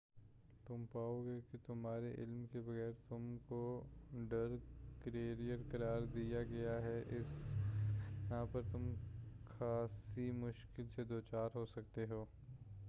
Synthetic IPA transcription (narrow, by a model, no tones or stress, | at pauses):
t̪ʊmpaːoɡekit̪ʊmɦaːɾeʔɪlmkebɐɣɛːɾt̪ʊmkoɖɐɾkɾeːɾijəɾkɐɾaːɾd̪ijaɡɐjaɦɛʔɪs | jɦãpɐɾt̪ʊmxaːsimʊʃkɪlsed̪oːt͡ʃaːɾɦosɐkt̪eɦoː